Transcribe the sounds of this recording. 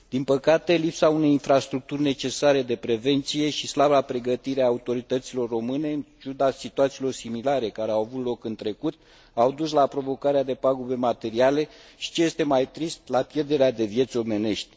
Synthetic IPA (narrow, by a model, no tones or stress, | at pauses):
d̪̥inpəkat̪e̞lipsaune̞jinfɾast̪ɾuk̚t̪urʲne̞t͡ʃe̞saɾe̞d̪e̞pɾe̞ve̞nt̪sije̞ʃislablapɾe̞ɡət̪iɾeaːut̪o̞ɾit̪ət̪silo̞rːo̞mɨne̞ɨnt͡ʃud̪asit̪uat̪silo̞rsimilaɾe̞kaɾeawavut̪lo̞kɨnt̪ɾe̞kut̪̚ | awd̪uslapɾo̞vo̞kaɾead̪e̞paɡube̞mat̪e̞ɾiale̞ʃi̥t͡ʃe̞je̞st̪e̞majt̪ɾist̪lapje̞rd̪e̞ɾead̪e̞vje̞t̪sʲo̞me̞ne̞ʃt̪ʲ